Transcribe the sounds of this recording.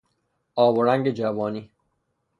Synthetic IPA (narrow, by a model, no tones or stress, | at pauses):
ɒːboɾæŋɡed͡ʒæbɒːniː